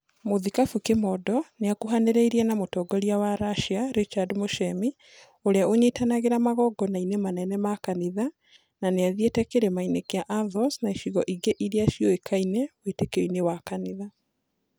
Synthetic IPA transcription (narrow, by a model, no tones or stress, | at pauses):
moðikafukemɔdɔneakuɦaneɾeiɾiɛnamotɔɡɔɾiawaɾaʃiaɾet͡ʃadmoʃɛmi | oɾeaʔoɲetanaɣeɾamaɣɔɡɔnainemanɛnɛmakaniða | naneaðietɛkeɾemainekeaʔaðɔsnaiʃiɣɔʔiɡeʔiɾiaʃiɔekʰainɛwetekeoinewakaniða